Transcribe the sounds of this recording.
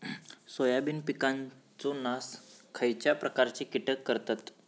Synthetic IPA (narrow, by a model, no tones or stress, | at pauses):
sojabinpikãnt͡sɔnaskʰəjt͡ɕjapɾəkaɾt͡ɕikiʈəkːəɾt̪at̪